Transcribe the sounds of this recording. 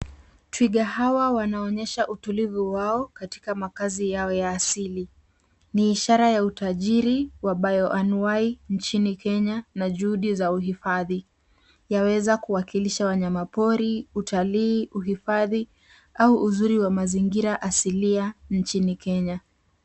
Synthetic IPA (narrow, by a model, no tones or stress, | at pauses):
twiɠahawawanaɔɲɛʃaʔutulivuwaɔkati̥kamakazijaɔjaːsili | niːʃaɾajautaʄiɾiwaɓajɔʔanuwaint͡ʃinikʰɛɲanaʄuhuɗizauɦifaði | jawɛzakuwakiliʃawaɲamapɔɾiutʰaliːuɦifaði | auʔːzuɾiwamaziŋɡiɾaʔasiliant͡ʃinikʰɛɲa